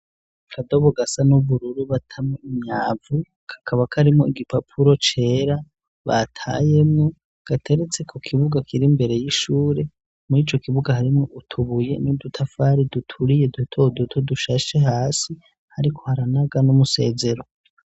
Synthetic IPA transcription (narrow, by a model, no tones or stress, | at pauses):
kʰado̞βoɡasanuβuɾuɾuβatʰamoimɲaːvu | kʰḁkʰaβakʰaɾimŋoiɡipapʰuɾo̞t͡ʃe̞ːɾa | βa̰tʰa̰je̞mŋo̞ | ɡ̥atʰe̞ɾe̞t͡se̞kʰo̞kʰiβuɡakʰiɾimbe̞ɾe̞jiʃuːɾe̞ | muɾiːt͡ʃo̞kiβuɡahaɾimŋoʔutʰuβuje̞̰nid̪utʰafaːɾidutʰuɾije̞dutʰodutʰoduʃaʃe̞ɦaːsi | haɾikʰo̞haɾanaɡanumuse̞̰ːze̞ɾo̞